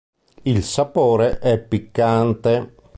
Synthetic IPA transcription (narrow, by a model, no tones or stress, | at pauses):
ilsapoːɾeʔɛpːikːant̪e